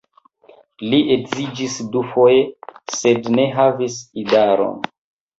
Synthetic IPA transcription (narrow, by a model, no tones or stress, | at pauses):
liʔekzid͡ʒisdufojese̞dne̞ɦavisidaɾo̰n